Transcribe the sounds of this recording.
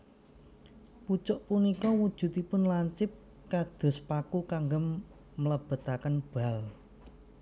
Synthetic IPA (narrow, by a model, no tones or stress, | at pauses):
put͡ʃʊʔpunikɔwud̥ʒ̥ṳt̪ipʊnlaɲt͡ʃɪp̚ | kad̪̥o̤spakukaŋɡəmː | ələb̥ə̤t̪akənb̥a̤l